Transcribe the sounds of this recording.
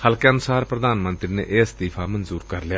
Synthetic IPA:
həlkeənʊsaːɾpɾəd̪ʱaːnmə̃nt̪ɾinḛːʔeːst̪iːpʰaːmənzuːɾkəɾljaː

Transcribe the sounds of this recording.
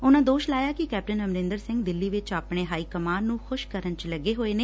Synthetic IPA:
ʊnãːd̪oːʃlaːjaːkɪkɛːp̚ʈənəmɾɪ̃nd̪əɾsɪ̃ŋɡd̪ɪlːiːʋɪt͡ʃaːpɳeːɦaːiːkəmaːnnũːxʊʃkəɾənt͡ʃləɡːeːɦoːeːneː

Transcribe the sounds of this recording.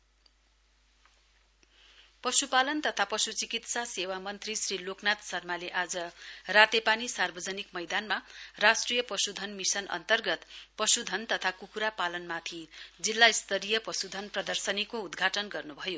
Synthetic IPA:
pʌsupalʌnt̪ʌt̪ʰapʌsut͡sikit̪sasewamʌnt̪risriloknat̪sʌrmaleʔad͡zʌrat̪epanisarbʱʌd͡zʌnikmʌjd̪anmarasʈrijʌpʌsud̪ʱʌnmisʌnʔʌ̰nt̪ʌrɡʌt̪pʌsud̪ʱʌnt̪ʌt̪ʰakukuɾapalʌnmat̪ʰid͡zilːaist̪ʌɾijʌpʌsud̪ʱʌnprʌd̪ʌrsʌnikoud̪ɡʱaʈʌnɡʌrnubʱʌjo

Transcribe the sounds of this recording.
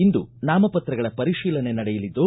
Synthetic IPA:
ind̪unaːmɐpɐt̪ɾɐɡɐɭɐpɐɾiʃiːlɐne̞nɐɽɛjɐlid̪ːu

